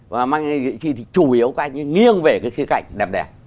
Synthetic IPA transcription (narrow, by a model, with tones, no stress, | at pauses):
vaː˨˩maː˧ŋ˧zḭ˧˨t͡ɕi˧t̪ʰi˨˩t͡ɕu˧˩ʔi˨˦əwka˨˦ʔa˧jŋɨ˧ŋi˧ənve˨˩kaː˨˦jxi˨˦ka̰˧˨jŋ̟ɗɛ˨˩p̚ɗɛ̰˨˩p̚